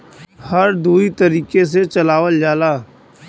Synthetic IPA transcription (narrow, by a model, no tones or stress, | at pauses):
hɐɾd̪uːit̪ɐɾiːkes̬et͡ʃɐlaːʋəld͡ʒaːlaː